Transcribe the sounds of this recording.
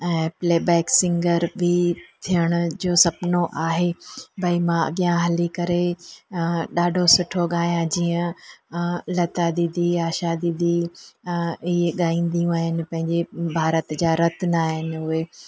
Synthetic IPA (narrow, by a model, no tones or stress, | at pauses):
ɛ̃ːpleːbɛːksɪ̃ŋɡəɾbʱit̪ʰijəɽ̃ʊ̆d͡ʑoːsɐpnoʔaːɦebʱɐimãɐ̰ɠijãɦɐlikɐɾe | ɗaːɖʱosʊʈʰoɠaːjãd͡ʑiːə̃ | lɐt̪ad̪id̪iaːʃad̪id̪i | ɪeɠaːĩːnd̪ijũaːɦɪnɪ̆pɐ̃ɦɪ̃ɲd͡ʑebʱaːɾət̪d͡ʑaːɾɐt̪ʰnaːɦɪnɪ̆ʊɦe